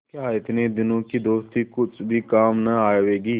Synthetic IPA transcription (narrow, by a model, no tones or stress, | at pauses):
kjaːɪt̪ned̪ɪnõkid̪oːst̪ikʊt͡ʃʰbʱikaːmnɐaːjʋeːɡiː